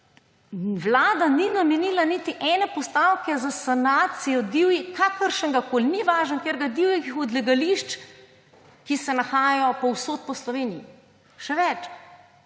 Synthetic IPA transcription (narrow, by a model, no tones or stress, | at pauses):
ʋlaːd̪aninamɛniːlanit̪iʔɛnɛpɔst̪aːwkɛzasanaːt̪sijɔd̪iwjikaːkəɾʃəŋɡakoːlʲniʋaːʒənkjeɾɡad̪iwjɛkixɔd̪lɛɡaliʃt͡ʃ | kisɛnaxaːjjɔpɔwsot̪̚pɔslɔʋeːniji | ʃɛʋɛt͡ʃ